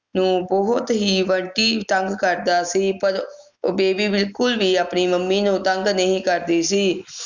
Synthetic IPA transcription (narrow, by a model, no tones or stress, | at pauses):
nũːbɔɦʊt̪ɦiːʋəɳʈiːt̪əŋɡkəɾd̪aːsiːpəɾ | beːbiːbɪlkʊlʋiːaːpniːməmːiːnũːt̪əŋɡnəĩːkəɾd̪eːsiː